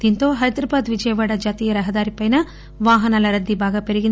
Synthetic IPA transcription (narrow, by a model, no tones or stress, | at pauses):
t̪int̪oɦɐjd̪ɾɐbaːd̪ʋid͡ʒɐjɐʋaːɽɐd͡ʒaːt̪iːjɐɾɐɦɐd̪aːɾipɐjnɐ | ʋaːɦɐnɐlɐɾɐd̪ːibʱaːɡɐpeɾiɡin